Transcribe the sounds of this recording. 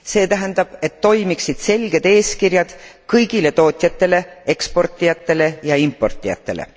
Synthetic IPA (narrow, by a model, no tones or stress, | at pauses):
se̞ːt̪æɦɛnd̪ɑb̥e̞t̪ːo̞jmiksid̪̥se̞lɡe̞d̪̥e̞ːskirjɑd̪̥kɤjɡ̥ile̞t̪o̞ːt̪ʲˑjɑt̪ːˑe̞le̞e̞kspo̞rt̪ːˑijɑt̪ːˑe̞le̞jɑimpːˑo̞rt̪ˑːijɑ̰t̪ːˑe̞̰lḛ